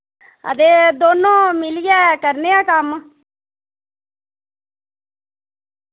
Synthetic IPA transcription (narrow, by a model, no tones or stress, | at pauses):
ə̰d̪eːd̪oːnõːmɪlijɛːkəɾneːaːkəm